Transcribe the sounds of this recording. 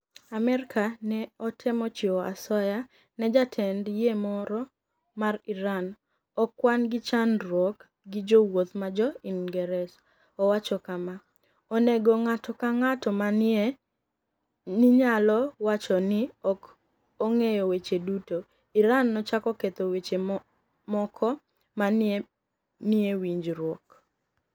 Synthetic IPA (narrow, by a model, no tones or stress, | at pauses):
amɛɾkʰanɛɔtʰɛmɔt͡ʃɪɔa̰sɔja | nɛd͡ʒatʰɛndjemɔɾɔ | mariɾan | ɔkːwanɡɪt͡ʃanɾwɔk | ɡɪd͡ʒowot̪mad͡ʒɔinɡɛɾɛs | ɔwat͡ʃɔkama | ɔneɡɔŋatɔkaŋatɔmane | nɪɲalɔwat͡ʃɔnɪɔk | oŋejɔwet͡ʃeduto | iɾanːɔt͡ʃakɔket̪owet͡ʃe | mɔkʰɔ | mane | nɪewiɲd͡ʒɾwɔk